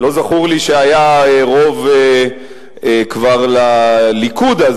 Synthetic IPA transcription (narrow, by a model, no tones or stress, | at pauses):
lo̞zaχuʁliʃeajaeʁo̞ve | ekvaʁlalikud̪az